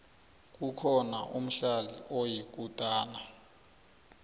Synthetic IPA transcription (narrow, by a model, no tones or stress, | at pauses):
k̬ukʰɔna̰ʔum̩ɬalḭʔɔjik̬ʼutʼaːna